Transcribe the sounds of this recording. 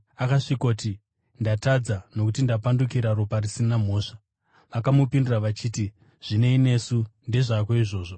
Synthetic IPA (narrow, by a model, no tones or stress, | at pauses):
akaʂikoti | ndatad͡zano̞kutindapandukiɾaɾoparisinam̤o̞ːʂḁ | ʋakamupinduraʋat͡ʃiːti | ʐ̥ine̞ine̞sundeʐakoiʐo̞ːʐo